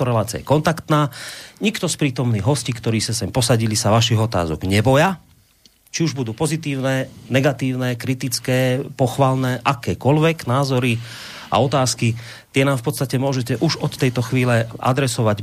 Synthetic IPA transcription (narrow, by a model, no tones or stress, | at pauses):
ɔɾɛlaːt͡sia̰jɛkɔnt̪akt̪naːɲikt̪ɔspɾiːt̪ɔmniːɣɦɔscikt̪ɔɾiːsasɛmpɔsaɟilisaʋaʃiɣɔt̪a̰ːzɔ̰ɡɲɛbɔja | t͡ʃiuʒbud̪uːpɔzit̪iːʊnɛnɛɡat̪iːʊnɛːkɾit̪it͡skɛːpɔxʋalnɛːʔakɛːkɔʎʋɛɡnaːzɔɾi | a̰ɔt̪aːski | t̪ɪɛnaːmfpɔt̪st̪acɛmʊɔʒɛcɛʔuʒɔt̪ːɛjt̪ɔxʋiːlɛʔa̰d̪ɾɛsɔʋaɟ